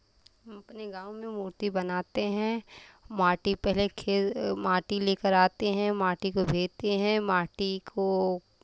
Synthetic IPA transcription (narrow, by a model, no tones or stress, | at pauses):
ɦɐmɐpneɡãːʊmẽmuːɾt̪ibɐnaːt̪eɦɛ̃maːʈipɛɦlekʰeːmaːʈileːkəɾaːt̪eɦɛ̃maːʈikobʱeːd͡ʒt̪eɦɛ̃maːʈikʰo